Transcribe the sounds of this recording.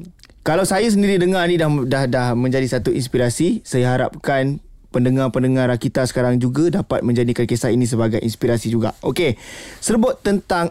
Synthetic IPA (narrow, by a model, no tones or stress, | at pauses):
kalawsajas̬əndiɾidəŋanĩdahdahdahmə̃ɲd͡ʒadisat̪uʔinspiɾasisajaɦaɾa̰p̚kanpəndəŋapəndəŋãɾakit̪asə̥kaɾaŋd͡ʒuɡadapa̰t̪̚mə̃ɲd͡ʒadikankesaɦinĩs̬əbaɡajʔḭnspiɾasid͡ʒuɡa̰ʔokesərbʊt̪ːənt̪aŋ